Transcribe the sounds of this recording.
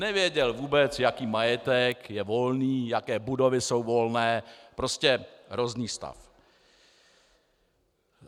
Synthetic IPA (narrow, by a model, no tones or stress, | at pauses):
nɛvjɛɟɛlvuːbɛt͡sjakiːmajɛt̪ɛkjɛvo̞lniːjakɛːbudo̞vɪso̞wvo̞lnɛːpɾo̞scɛɦɾozniːst̪a̰f